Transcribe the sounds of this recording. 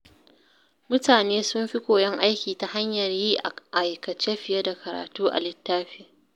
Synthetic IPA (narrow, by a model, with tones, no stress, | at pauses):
mʊ˦taː˨neː˦sʊ˦mɸi˦kʷoː˨jɐ˦ŋʔa˦jkʲiː˨ta˨ha˦ɲjɐ˨rjiː˦ʔʔa˨jkɐ˨t͡ʃe˦ɸɪ˨jɐ˦da˨kɐ˨ɾa̰ː˨tuː˦ʔa̰˨lɪ˨tːaː˦ɸiː˨